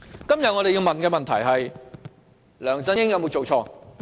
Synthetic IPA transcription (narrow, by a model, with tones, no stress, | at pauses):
kɐ˥mjɐ˨t̚ŋɔ˨˧e˨ji˧wmɐ˨nkɛː˧mɐ˨nt̪ʰɐ˨˩jɦɐ˨j | lœː˨˩ŋt͡sɐ˧˥jɪ˥ŋjɐ˨˧wmo˨˧wt͡so˨wt͡ʃʰɔː˧